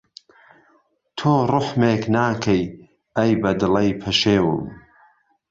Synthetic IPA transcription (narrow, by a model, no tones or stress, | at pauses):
t̪ʰoːrʊħmeːknaːkʰɐj | ɐjbɐd̪ɨlɐjpʰɐʃeːwɨ̰m